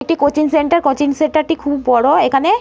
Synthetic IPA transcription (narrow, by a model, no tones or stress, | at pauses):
ek̚ʈikot͡ɕinseɳʈaɾkot͡ɕinseɳʈaɾʈikʰubːɔɽoekʰane